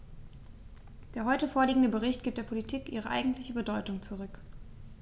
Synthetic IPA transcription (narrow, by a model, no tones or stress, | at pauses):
d̥eːɐɦɔʏtəfoːɐliːɡŋ̩dəbəʁɪçt̚ɡ̥iːp̚d̥eɐpʰolitʰiːkʔiːʁ̞əʔa̰ɪɡŋ̩tlɪçəbədɔʏtʊŋt͡suʁ̞ʏk